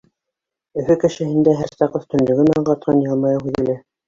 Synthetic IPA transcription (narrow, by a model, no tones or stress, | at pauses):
ɵ̆fɵkɘ̆ʃɘ̆hɘ̆nd̪æɦæɾsɑqɤθt̪ɵ̆nlɵ̆ɡɘ̆nɑɴɢɑt̪̚qʰɑnjɑlˠmɑjɤhʉðɘ̆læ